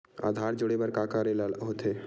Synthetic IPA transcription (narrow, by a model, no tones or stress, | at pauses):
a̰ːd̪ʱaːɾd͡ʒoɽebəɾkakaɾelalɦot̪ʰe